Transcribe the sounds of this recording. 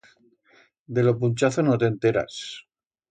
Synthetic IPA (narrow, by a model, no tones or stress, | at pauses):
d̪e̞lop̬unt͡ʃaθonot̪ent̪e̞ɾa̰s